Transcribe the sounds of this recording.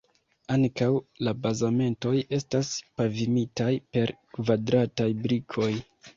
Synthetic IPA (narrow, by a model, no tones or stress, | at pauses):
aŋkawlabazame̞nto̞je̞staspavimitajpe̞ɾkvadɾatajbɾikʰo̞j